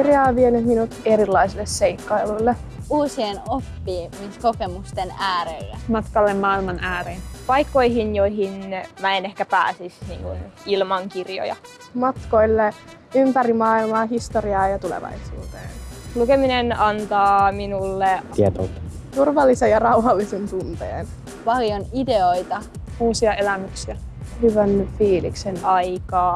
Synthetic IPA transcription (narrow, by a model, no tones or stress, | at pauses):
kirjɑːʋʋienytminut̪eɾilːɑisilːesseikːɑiluilːe | uːsienopːiːmiskokemust̪enæːɾelːæmɑt̪kɑlːemmɑːilmɑnʔæːɾenpɑjkːoiɦinjojɦinmæenehkæpæ̰ːsisnḭːŋkunilmɑŋkirjo̰jɑ̰ | mɑt̪ko̞ilːeympæɾimɑːilmɑːɦist̪oriɑːjɑt̪ulḛʋɑ̰jsṵːt̪ḛːnlukeminenɑnt̪ɑːminulːeiet̪o̰tːɑ | t̪urʋɑlːisejɑrɑuɦɑlːisent̪unt̪ḛːn | pɑljonideoit̪ɑ | uːsiɑelæmyksiæhyʋænfiːlḭksenɑjkɑː